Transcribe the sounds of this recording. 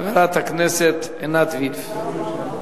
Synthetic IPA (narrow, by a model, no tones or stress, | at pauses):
aveɾat̪haknɛset̪ | enat̪vif